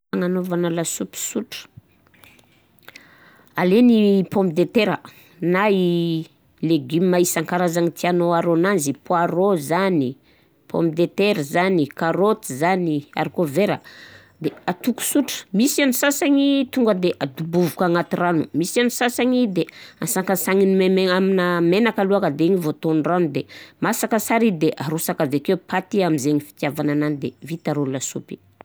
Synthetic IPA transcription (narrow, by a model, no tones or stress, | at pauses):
aŋanovanalasupi̥suʈ͡ʂə̥ | alenipompid̪et̪eɾə | nai | leɡimmːaisaŋkaɾazaŋit̪ʰianoaɾonanzipuaɾozani | pʰo̰mpid̪et̪eɾəzanikaɾot̪izania̰ɾikoveɾə̰ | d̪eat̪uku̥suʈ͡ʂə̥misianisasaɲit̪uŋɡəd̪eʔad̪ubuvukaŋat̪iranumisianisasaɲid̪easakasaŋinmemeaminamenakaluakəd̪eiɲivot̪onrand̪emasakəsaɾid̪eʔaɾusakavekepat̪iamizeɲifi̥t̪javanananid̪evit̪aɾollasṵpi̥